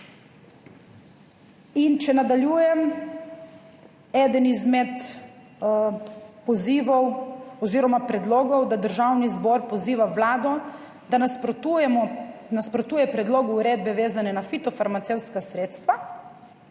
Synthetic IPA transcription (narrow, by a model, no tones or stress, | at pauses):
int͡ʃɛnad̪alʲjuːjɛm | ɛd̪ənizmɛt̪ | pɔziːʋɔwɔziːɾɔmapɾɛd̪lɔːɡɔwd̪ad̪əɾʒawnizbɔːɾpɔziːʋawlaːd̪ɔ | d̪aapɾt̪ujɛmɔnaspɾɔt̪uːjɛpɾɛd̪loːɡuːɾeːd̪̚bɛʋeːzanɛnafit̪ɔfaɾmat̪sewt̪skasɾeːt̪st̪ʋa